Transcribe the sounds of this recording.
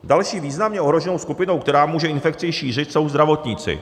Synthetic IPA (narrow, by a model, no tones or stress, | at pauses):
dalʃiːviːznamɲɛoɦɾoʒɛnowskupɪno̞wkt̪ɛɾaːmuːʒɛɪnfɛk̚t͡sɪʃiːr̝ɪt̪so̞wzd̪ɾavo̞t̪ɲɪt͡sɪ̰